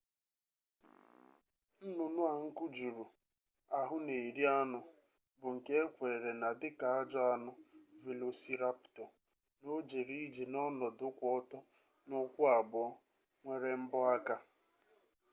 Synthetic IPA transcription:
n̩˦nʊ˨nʊ˦a˨ŋ̩˦kʊ˦d͡ʒu˨ɾu˨ | a˨ɦʊ˦ne˨ɾi˦a˦nʊ˨ | bʊ˨ŋ̩˨ke˦kʷe˨ɾe˨ɾe˨na˨dɪ˦ka˨a˦d͡ʒɔ˦a˦nʊ˦ve˨lo˨si˦ɾa˦ptɔ˨ | no˦d͡ʒe˨ɾi˦d͡ʒe˨nɔ˦nɔ˨dʊ˦kʷɔ˦ɔ˦tɔ˦ | nʊ˦kʷʊ˦a˨bʊ˨ɔ˦ | ŋʷe˦ɾe˦m̩˦bʊ˦a˦ka˦

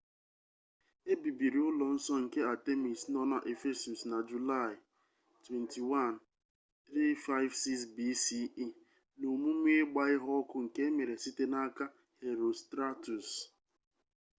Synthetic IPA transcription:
e˦bi˨bi˨ɾi˨ʊ˦lɔ˨n̩˦sɔ˦ŋ̩˨ke˦a˨te˦mi˨snɔ˦na˨ʔe˨fe˦su˨sna˨d͡ʒu˨la˦˨ɪ˨ | twe˨nti˨wa˦˨n˨ | θɾi˦fa˦ɪ˦vsi˦ksbi˦si˦i˦ | no˨mu˦m˦e˦ɡ͡ba˦ɪ˦ɦɔ˦kʊ˦ŋ̩˨ke˦me˨ɾe˨si˦te˦na˦ka˦ | he˨ɾo˨stɾa˦tu˨s

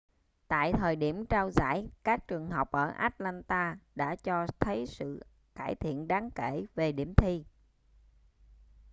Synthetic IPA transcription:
t̪a̰ː˧˨jt̪ʰəː˨˩jɗi˧˩əmt͡ɕaː˧wza̰ː˧˥˩jkaː˦˥k̚t͡ɕɨ˨˩əŋɦə˨˩wk͡p̚ʔəː˧˩ʔa̰ː˦˥t̚laː˧nt̪aː˧ɗa̰ː˧˥t͡ɕɔ˧t̪ʰə˨˦jsɨ̰˧˨ | kaː˧˩jt̪ʰḭ˧˨ənɗaː˨˦ŋke˧˩ve˨˩ɗi˧˩əmt̪ʰi˧

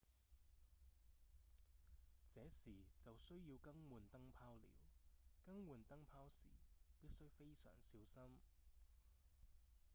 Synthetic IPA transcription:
t͡sɛː˨˥siː˨˩t͡sɐ˨wsɵ˥ɥjiː˧wkɐ˥ŋwuː˨nt̪ɐ˥ŋpʰaː˥wlḭː˨˥wkɐ˥ŋwuː˨nt̪ɐ˥ŋpʰaː˥wsḭː˨˩piː˥t̚sɵ˥ɥfe˥jsœ̰ː˨˩ŋsiː˨˥wsɐ˥m

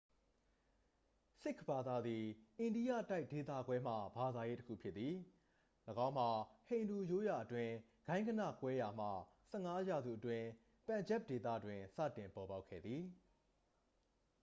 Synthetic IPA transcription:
sɪ˦˨kʰb̥a˨d̪a˨d̪i˨ʔẽ˨ndi˦jä̰˦˨ta˦ɪʔd̥e˨t̪̬ä̰˦˨ɡwɛ˦m̥ä̰˦˨ba˨d̪a˨je˦təkʰṵ˦˨pʰjɪ˦t̪t̪θi˨ | ləɡã˦ʊ̃m̥a˨hẽ˨ɪ̃ndu˨jo˨˦ja˨ʔətwɪ̃˦ | ɡ̥ã˦ɪ̃ŋɡə˦nä̰˦˨kwɛ˦ja˨m̥ä̰˦˨sɛ˦˨ŋa˦ja˨zṵ˦˨ʔətwɪ̃˦ | pã˨ɲd͡ʑɛ˦p̚de˨t̪ä̰˦˨dwɪ̃˨sä̰˦˨tɪ̃˨mpɔ˨ba˦ʊkʰːɛ̰˦˨d̪ði˨

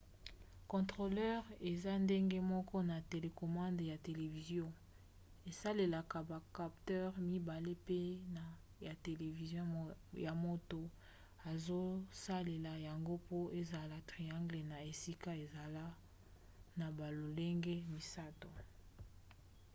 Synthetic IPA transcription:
kɔ̃˨tʁo˨lɛ˦ʁe˨za˦nde˦ŋɡe˦mɔ˦kɔ˦na˨te˨le˨kɔ˨mã˦ndja˨te˨le˨vi˨zjɔ̃˦ | e˨sa˦le˨la˨ka˨ba˨ka˨ptɛ˦ʁmi˦ba˨le˦pe˦na˨ | ja˨te˨le˨vi˨zjɔ̃˦ja˨mo˦to˨ | a˨zo˦sa˦le˨la˨ja˨ŋɡo˦po˦e˦za˨la˨tʁi˨ã˦ŋɡle˨na˨e˨si˦ka˦e˨za˨la˦ | na˨ba˨lo˨le˦ŋɡe˦mi˨sa˦to˨

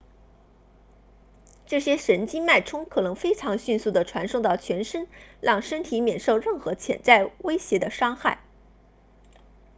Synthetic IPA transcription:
ʈ͡ʂɤ˥˩ɕjɛ˥ʂə˧˥nt͡ɕi˥ma˥˩ɪʈ͡ʂʰʊ˥ŋkʰɤ˨˩nɤ˧˥ŋfe˥ɪʈ͡ʂʰɑ˧˥ŋɕy˥˧nsu˥˩d̪ə˩ʈ͡ʂʰwa˧˥nʂʊ˥˧ŋt̪ɑ˥˩ʊt͡ɕʰɥɛ˧˥nʂə˥nɻɑ˥˩ŋʂə˥nt̪ʰi˧˥mjɛ˨˩nʂo˥˧ʊɻə˥˩nxɤ˧˥t͡ɕʰjɛ̰˨˩nt͡sa˥˩ɪwe˥ɪɕjɛ˧˥d̪ə˧ʂɑ˥ŋxa˥˩ɪ

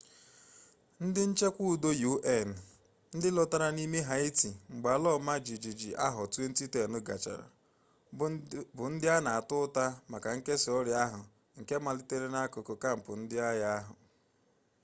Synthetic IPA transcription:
n̩˦dɪ˦n̩˦t͡ʃe˦kʷu˦u˨do˦ju˦ʔe˦˨n̩˨ | n̩˦dɪ˦lɔ˨ta˦ɾa˦ni˦me˦ɦa˨˦i˦ti˨ŋ͡m̩˨ɡ͡ba˨lɔ˦˨ma˦d͡ʒi˨d͡ʒi˨d͡ʒi˨ʔa˦ɦʊ˨tu˦e˦n̩˦ti˦te˨nʊ˦ɡa̰˨t͡ʃa̰˨ɾa̰˨ | bʊ˨n̩˦dɪ˦a˦na˨a˨tʊ˦ta˦ma˨ka˨ŋ̩˦ke˦sɪ˨ɔ˦ɾja˦ɦʊ˨ | ŋ̩˨ke˦ma˨lɪ˦te˦ɾe˦na˦ko˨ko˨ka˦˨m̩˨pʊ̰˨n̩˦dɪ˦a˦ja˦a˦ɦʊ̰˨

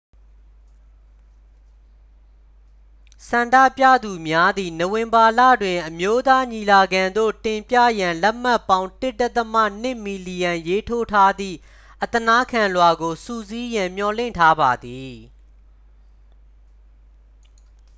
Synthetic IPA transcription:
sã˨ndä̰˦˨pjä̰˦˨d̪u˨mja˦d̪i˨no˨wɪ̃˨mba˨lä̰˦˨dwɪ̃˨ʔəmjo˦t̪a˦ɲi˨la˨ɡã˨nd̪o̰˦˨tɪ̃˨mpjä̰˦˨jã˨lɛ˦ʔm̥a˦˨pːã˦ʊ̃ntɪ˦tːɛ˦t̪ːəmä̰˦˨n̥ɪ˦˨mi˨li˨jã˨je˦tʰo˦tʰa˦d̪ðḭ˦˨ | ʔət̪əna˦kʰã˨lwa˨ɡo˨sṵ˦˨zi˦jã˨m̥jɔ˨lɪ̰̃˦˨ntʰa˦ba˨d̪i˨

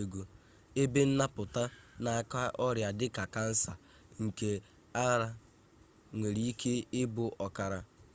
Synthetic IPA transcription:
e˨ɡu˨ | e˦be˦n̩˦na˦pʊ˨ta˦na˨˦˨ka˦ʔɔ˦ɾja˨dɪ˦ka˨ka˦n̩˦sa˨ | ŋ̩˨ke˨ | a˦ɾa˨ | ŋʷe˨ɾi˦i˦ke˦ɪ˦bʊ˨ʔɔ˨ka˨ɾa˨

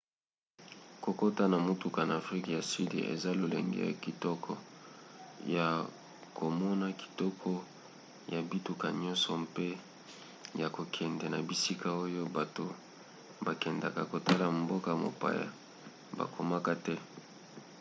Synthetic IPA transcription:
ko˨ko˦ta˦na˨mo˦tu˨ka˨na˨fʁi˦kja˨si˦dḭ˨ʔḛ˨za˦lo˨lḛ˨ŋɡɛ̰˦ja̰˨ki˨tɔ˦kʰɔ˨ | ja˨ | kʰo˨mɔ˦na˦ki̥˨tɔ˦kʰɔ˦ | ja˨bi˦tu˨ka˨ɲɔ̃˦nsɔ˨mpe˦ | ja˨ko˨kʰɛ˨ndɛ˨na˨bi˨si˦ka˦o˦jo˦ba˨to˨ | ba˨kɛ˨nda˨ka˨ko˨ta˦la˨mbo˦ka˦˨mo̰˨pa̰˨ja̰˨ | ba̰˨kʰo˨ma˦ka˦tɛ˦

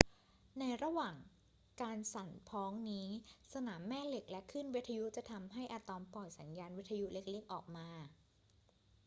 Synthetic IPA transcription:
na˧jɾa˧waː˨˩ŋ | kaː˧nsa˨˩npʰɔː˦˥ŋniː˦˥sa˧naː˩˦mːɛː˥˩le˨˩k̚lɛ˦˥kʰɯ˥˩nwi˦˥t̪ʰːa˧ju˦˥t͡ɕa˨˩t̪ʰa˧mɦa˥˩jʔa˧t̪ɔː˧mpɔː˨˩jsa˩˦njaː˧nwi˦˥t̪ʰa˧ju˦˥le˦˥k̚le˦˥əŋʔɔː˨˩k̚maː˧

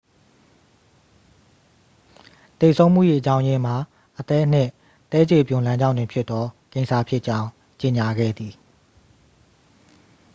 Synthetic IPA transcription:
t̪e˨sʰõ˦ʊ̃m̥ṵ˦˨ji˦˨ʔət͡ɕã˦ʊ̃jɪ̃˦m̥a˨ | ʔət̪ɛ˦n̥ɪ̰̃˦˨ | t̪ɛ˦d͡ʑe˨pjʊ̃˨lã˦ɲd͡ʑã̰˦˨ndɪ̃˨pʰjɪ˦t̪t̪ɔ˦kẽ˦˨ɪnsʰa˦˨pʰjɪ˦ʔt͡ɕã˦ʊ̃ | t͡ɕe˨ɲa˨ɡɛ̰˦˨d̪ði˨

